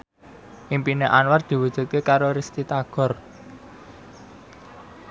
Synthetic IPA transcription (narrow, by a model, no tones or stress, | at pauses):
ʔimpineʔanward̪̥i̤wud̥ʒ̥ṳt̪̚kekaɾoɾist̪it̪aɡ̥ɔ̤r